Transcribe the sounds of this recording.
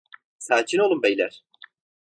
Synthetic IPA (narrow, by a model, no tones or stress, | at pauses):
saːt͡ʃʰino̞lˠumbejlʲæɾ̥